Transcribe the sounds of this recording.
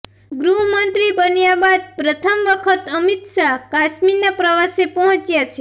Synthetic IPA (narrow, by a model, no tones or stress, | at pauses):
ɡɾuɦmənt̪ɾibənjabad̪̚pɾət̪ʰəmʋəkʰət̪əmit̪ʃakaʃminapɾəʋasepəɦɔ̃t͡ʃjat͡ʃʰe